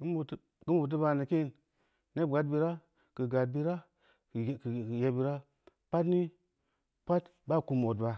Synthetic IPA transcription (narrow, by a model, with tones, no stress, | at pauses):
i˦mu˨˦ | ɡ̥i˦mbu˨t̬ə˦ba˨ni˨ki˦˨n | ne˦bɡa˨t̚bi˨ɾa˦ | kə˨ɡa˨t̚bi˦ɾa˦˨ | kje˨bi˨ɾa˦ | pa˦tni˦ | pa˦tba˦˨ku˨mo˨tba˨